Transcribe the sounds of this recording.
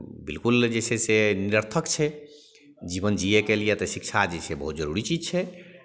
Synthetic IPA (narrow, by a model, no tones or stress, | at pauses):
bḭlkuld͡ʒeseseniɾəɾt̪ʰəkt͡ʃʰɛ | d͡ʒibənd͡ʒiekelijet̪ɔsikt͡ʃʰad͡ʒesʰebəɦut̪d͡ʒəɾuɾit͡ʃid͡ʒt͡ʃʰɛ